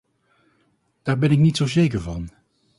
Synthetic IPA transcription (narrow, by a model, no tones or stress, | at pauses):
d̥aːɹbɛnɪknitsowzejkəɹvɑn